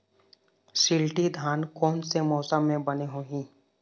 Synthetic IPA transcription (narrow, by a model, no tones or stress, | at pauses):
ʃɪlʈid̪ʱaːnkɔːnsemɔːsəmːẽbɐneɦoːɦĩː